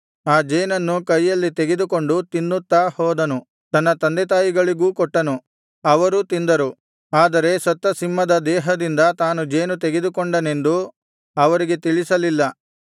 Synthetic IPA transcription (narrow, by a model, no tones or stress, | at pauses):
aːd͡ʒeːnɐnːukɐjːɐlːit̪e̞ɡed̪uko̞ɳɖut̪inːut̪ːaːhɔːd̪ɐnu | t̪ɐnːɐt̪ɐnd̪ɛt̪̬aːjiɡɐɭiɡuːkɔʈːɐnu | ɐʋɐɾut̪ind̪ɐɾu | aːd̪ɐɾe̞sɐt̪ːɐsimːɐd̪ɐd̪ɛːɦɐd̪ind̪ɐt̪aːnud͡ʒeːnut̪eɡe̞d̪ukoɳɖɐne̞nd̪u | ɐʋɐɾiɡe̞t̪iɭisɐlilːɐ